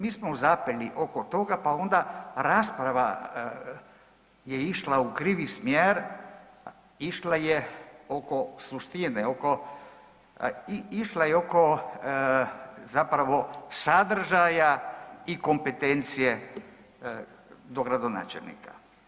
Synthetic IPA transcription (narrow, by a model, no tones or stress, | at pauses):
miːsmouzapeliʔokot̪o̞ɡapao̞nd̪aɾaːspɾaʋa | jeiʃlaukɾiʋismjeɾ | iʃlajeo̞ko̞slˠuʃt̪ineo̞ko | iiʃlajeo̞ko̞ | zapɾaʋo̞sad̪r̩ʒajaiko̞mpet̪ent̪sije | d̪o̞ɡɾad̪o̞na̰ːt͡ʃḛlnḭka̰